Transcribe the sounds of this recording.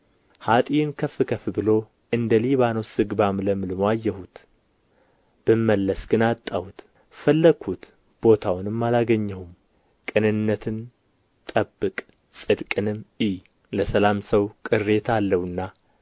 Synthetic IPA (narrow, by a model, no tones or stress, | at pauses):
hat̪ʼijnkʰəfːɨkʰəfɨbɨlo̞ | ɨnd̪əliβano̞sɨɡbamləmɨlɨmoajːɛhut̪ | b̥ɨmːəlːəsɡ̥ɨnat̪ʼːawut̪ | fəlːəɡʰut̪ | b̥o̞t̪ʰawnɨmːalaɡəɲːɛhum | kʼɨnɨnːət̪ʰɨn | t̪ʼəbːɨkʼ | sʼɨd̪kʼɨnɨmi | ləsəlamsəwkʼɨrːe̞t̪ʰalːəwɨnːa